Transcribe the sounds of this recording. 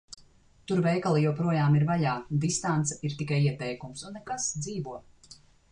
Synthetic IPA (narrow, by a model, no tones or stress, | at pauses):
t̪uɾvɛjkalˠijɔwpɾuɔjaːmiɾvaʎaːd̪ist̪ant̪sɛiɾt̪ikajiɛt̪ɛjkumsunːɛkasd̪ziːvuɔ